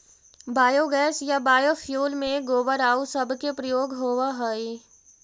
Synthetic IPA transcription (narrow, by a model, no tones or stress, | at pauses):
baːjoɡɛːsjabaːjofʰjuːlmẽɡoːbəɾaːusɐbkepɾəjoːɡɦoːʋaɦəi